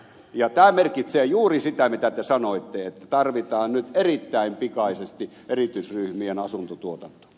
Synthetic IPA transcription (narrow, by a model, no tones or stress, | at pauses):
jɑt̪æːmerkit̪seːjuːrisit̪æmit̪æt̪esɑnoˑit̪ːeet̪ːæt̪ɑrʋit̪ɑːnnyt̪erit̪ːæˑimpikɑˑisest̪i | ʔerit̪yisryhmienɑsunt̪ot̪uot̪ɑnt̪o̥